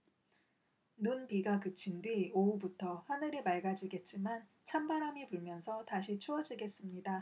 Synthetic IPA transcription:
nunpiɡakɯt͡ɕʰindwioubutʰʌɸanɯɾemaɭɡad͡ʑiɡe̞t̚t͡ɕ͈iman | t͡ɕʰambaɾamipuɭmjʌnsʰʌtaɕʰit͡ɕʰuʌd͡ʑiɡe̞s͈ɯmɲida

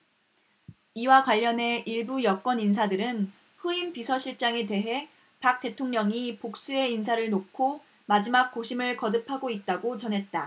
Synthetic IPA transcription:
iwakwaʎːʌne̞ʔiɭbujʌk͈wʌnins̬ʰadɯɾɯn | ɸuimpisʰʌɕʰiɭt͡ɕ͈aŋe̞te̞ɦe̞ | pak̚t͈e̞tʰoŋɲʌŋipok̚s͈ue̞insʰaɾɯɭnokʰo | mad͡ʑimak̚k͈oɕʰimɯɭkʌdɯpʰaɡoit̚t͈aɡot͡ɕʌnɦe̞t̚t͈a

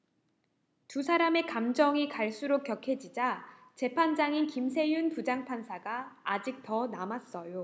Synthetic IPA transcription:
tusʰaɾame̞kamd͡ʑʌŋikaɭs͈uɾok̚k͈jʌkʰe̞d͡ʑid͡ʑat͡ɕe̞pʰand͡ʑaŋinkimsʰe̞junpud͡ʑaŋpʰansʰaɡaːd͡ʑik̚tʌnamas͈ʌjo

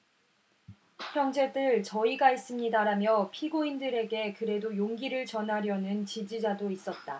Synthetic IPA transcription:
pʰjʌŋd͡ʑe̞dɯɭt͡ɕʌiɡais͈ɯmɲidaɾamjʌpʰiɡoindɯɾe̞ɡe̞kɯɾe̞dojoŋɡiɾɯɭt͡ɕʌnɦaɾjʌnɯnt͡ɕid͡ʑid͡ʑadois͈ʌt̚t͈a

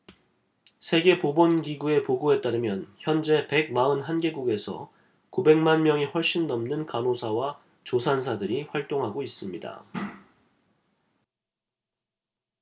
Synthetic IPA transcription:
sʰe̞ɡe̞pobʌnɡiɡue̞poɡoe̞t͈̚aɾɯmjʌnçjʌnd͡ʑe̞pe̞ɡ̚maɯnɦanɡe̞ɡuɡe̞sʰʌ̰ | kube̞ŋmanmjʌŋiɸwʌɭɕ͈inːʌmnɯnkanosʰawa | t͡ɕosʰans̬ʰadɯɾiɸwaɭt͈oŋɦaɡois͈ɯmɲida̰

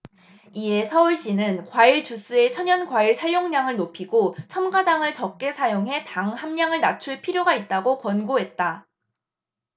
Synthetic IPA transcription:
ie̞sʰʌuɭɕ͈inɯnkwaiɭt͡ɕus͈ɯe̞t͡ɕʰʌɲʌnkwaiɭsʰajoŋɲaŋɯɭnopʰiɡot͡ɕʰʌmɡadaŋɯɭt͡ɕʌk̚k͈e̞sʰajoŋɦe̞taŋhamɲaŋɯɭnat͡ɕʰuɭpʰiɾjoɡait̚t͈aɡokwʌnɡoɦe̞t̚t͈a

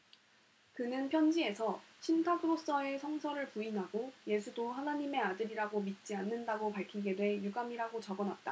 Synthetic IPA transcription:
kɯnɯnpʰjʌnd͡ʑie̞sʰʌɕʰintʰaɡɯɾos͈ʌe̞sʰʌŋsʰʌɾɯɭpuinɦaɡoje̞sʰudoɦanaɲime̞adɯɾiɾaɡomit̚t͡ɕ͈ianːɯndaɡopaɭkʰiɡe̞dwe̞juɡamiɾaɡot͡ɕʌɡʌnwat̚t͈a̰

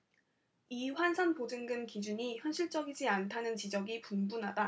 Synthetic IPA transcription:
iɸwansʰanpod͡ʑɯŋɡɯmkid͡ʑuɲiçjʌnɕʰiɭt͡ɕ͈ʌɡid͡ʑiantʰanɯnt͡ɕid͡ʑʌɡipumbunɦada

